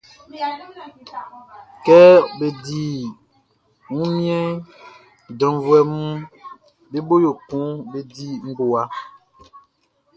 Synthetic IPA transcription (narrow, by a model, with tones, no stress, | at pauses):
kɛ˦be˨di˨ | ŋũ˦mjɛ˦˨ | dɔ̃˨˦vwɛ˦mũ˦ | be˦bo˦jo˨kũ˦be˦di˦ŋ̩˦ɡo˨a˦